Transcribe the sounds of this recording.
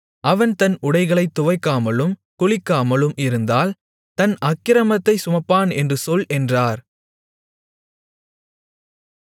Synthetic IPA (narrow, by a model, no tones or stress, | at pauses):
ɐʋɐnt̪ɐnʊɽɐɪɣɐɭɐɪt̪ːʊʋɐɪkːaːmɐlɯmkʊɭɪkːaːmɐlɯmʔɪɾɯnd̪aːl | t̪ɐnʔɐkːɪɾɐmɐt̪ːɐɪsʊmɐpːaːnɛndrɯsɔlʔɛndraːɾ